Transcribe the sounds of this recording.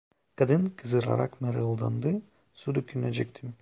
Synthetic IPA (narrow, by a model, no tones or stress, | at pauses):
kad̪ɯnkʰɯzɯɾa̰ɾʔa̰kmɛɾɯlˠd̪ɑ̰nd̪ɯ | sud̪ukʰʲynæd͡ʒɛk̚ʲt̪ʰim